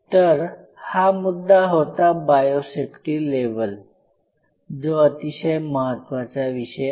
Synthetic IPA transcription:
t̪əɾ | hamud̪ːaɦot̪abajosepʈileʋəl | d͡zoət̪iɕəjməɦət̪ːʋat͡saʋiɕə

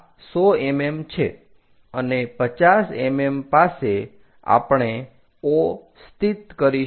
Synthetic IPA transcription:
sɔememt͡ʃʰḛ | ənepət͡ʃasemempase | a̰pɳ̃e | o | st̪it̪kəɾi

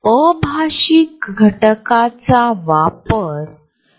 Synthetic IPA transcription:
əbʱaɕik̚ɡʱəʈəkat͡saʋapəɾ

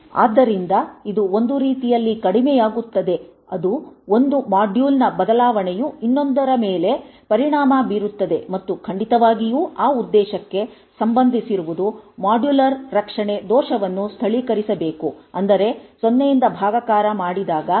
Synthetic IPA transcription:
a̰ːd̪ːɐɾind̪ɐid̪uond̪uɾiːt̪ijɐlːikɐɽimɛjaːɡut̪ːɐd̪e̞ | ɐd̪uo̞nd̪umaːɖjuːlnɐbɐd̪ɐlaːʋɐɳejuinːo̞nd̪ɐɾɐmeːle̞pɐɾiɳaːmɐbiɾut̪ːɐd̪e̞mɐt̪ːukʰɐɳɖit̪ɐʋaːɡijuːaːud̪ːɛːʃɐkːe̞ | sɐmbɐnd̪ʱisiɾuʋud̪umaːɖjulɐɾːɐkʂɐɳe̞d̪ɔːʃɐʋɐnːust̪ʰɐɭikɐɾisɐbe̞ːkuɐnd̪ɐɾe̞sonːejind̪ɐbʱaːɡɐkaːɾɐmaːɽid̪aːɡɐ

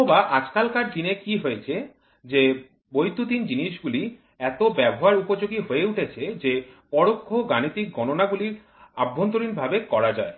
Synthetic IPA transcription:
obaʔat͡ɕkalkaʈ̚d̪inekiɦojet͡ɕʰe | d͡ʑe | bojt̪ut̪ind͡ʑiniʃɡuli | ɛt̪obɛboɦaɾupod͡ʑoɡiɦoeuʈʰet͡ɕʰed͡ʑepɔɽokʰːoɡanit̪ik̚ɡʱɔnonaɡuliɾ | abʱːont̪oɾinbʱabekɔɾad͡ʑa̰e

